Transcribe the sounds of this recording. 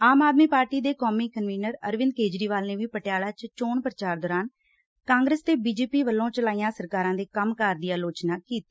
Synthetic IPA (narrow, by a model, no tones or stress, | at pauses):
aːmaːd̪miːpaːɾʈiːd̪eːkɔːmiːkənʋiːnəɾəɾʋɪ̃nd̪keːd͡ʒɾiːʋaːlneːʋiːpəʈɪjaːɭaːt͡ʃt͡ʃoːɳpɾət͡ʃaːɾd̪ɔːɾaːn | kãːŋɡɾeːst̪eːbiːd͡ʒeːpiːʋəlːõːt͡ʃəlaːiːjãːsəɾkaːɾãːd̪eːkəmkəɾd̪ijaːloːt͡ʃnaːkiːt̪iː